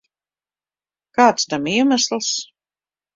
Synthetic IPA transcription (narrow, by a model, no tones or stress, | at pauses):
kaːt̪st̪amiɛmæslˠs